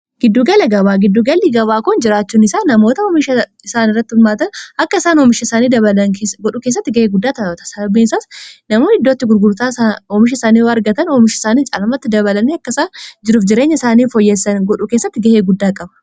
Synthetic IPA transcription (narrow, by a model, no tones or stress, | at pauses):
ɡ̥ɪd̪ːuːɡɐlɐɡɐbaːɡɪd̪ːuːɡɐlːiɡɐbaːkʊnd͡ʒɪɾaːt͡ʃːuːnɪsaːnɐmo̞ːt̪ɐɔmɪʃɐɪsaːnɪrːɐt̪ːɪhʊlmaːt̪ɐnɐkːɐɪsaːnɔːmɪʃɐɪsaːniːd̪ɐβɐlɐnkesɡɔᶑuːkeːs̬ːɐt̪ːɪɡɐheːɡʊd̪ːaːt̪ɐot̪ɐ̥sɐɐbiːnɪsaːsnɐmoːɪd̪ːoːt̪ːɪɡʊɾɡʊɾt̪aːɔmɪʃ̬ɐɪsaːniːwɐɐɾɡɐt̪ɐnɔːmɪʃɪsaːniːt͡ʃʼɐlɐmɐt̪ːɪd̪ɐβɐlɐniːɐkːɐɪsaːnd͡ʒɪɾuːfd͡ʒɪɾeːɲːɐɪsaːniːfɔjːesːɐnɡɔᶑuke̞ːsːɐt̪ːɪɡɐheːɡʊd̪ːaːkʼɐbɐ̥